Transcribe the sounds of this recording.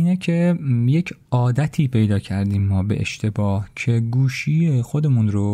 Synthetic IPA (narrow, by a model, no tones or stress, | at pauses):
iːnecʰe̞je̞cʰɒːd̪æt̪ʰiːpʰe̞jd̪ɒːcʰæɾd̪iːmːɒːbe̞̰ʔḛʃt̪ʰe̞bɒːhcʰe̞ɡuːʃiːexo̞d̪e̞munɾo